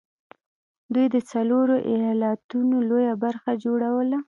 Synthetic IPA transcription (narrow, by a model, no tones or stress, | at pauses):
d̪ujd̪ət͡saloɾoʔijɑlat̪unolojabaɾxad͡ʒoɽawəla